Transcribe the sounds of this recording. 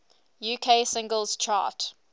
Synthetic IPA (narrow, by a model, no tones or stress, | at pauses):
juːkʰeːsɪ̃ŋɡəlˠz̥t͡ʃʰɑ̰ːˑt